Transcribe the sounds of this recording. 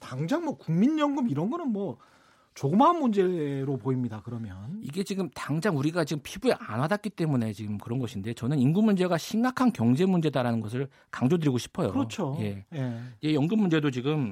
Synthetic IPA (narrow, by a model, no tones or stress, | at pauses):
taŋd͡ʑaŋmwʌkuŋminjʌŋɡɯmiɾʌnɡʌnɯnmwʌ | t͡ɕoɡɯmanmund͡ʑe̞ɾopoimɲidakɯɾʌmjʌniɡe̞t͡ɕiɡɯmtaŋd͡ʑaŋuɾiɡat͡ɕiɡɯmpʰibueʔanwadak͈it͈e̞mune̞t͡ɕiɡɯmkɯɾʌnɡʌɕʰinde̞t͡ɕʌnɯninɡumund͡ʑe̞ɡaɕʰimɡakʰankjʌŋd͡ʑe̞mund͡ʑe̞daɾanɯnɡʌsʰɯɭ | kaŋd͡ʑodɯɾiɡoɕʰi̥pʰʌjo̰ɾʌt͡ɕʰoje̞jje̞jʌŋɡɯmːund͡ʑe̞dot͡ɕiɡɯm